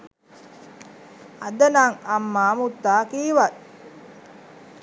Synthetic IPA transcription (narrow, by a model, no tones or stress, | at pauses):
ɐd̪ɐnaŋɐmːaːmut̪ːaːkiːʋat̪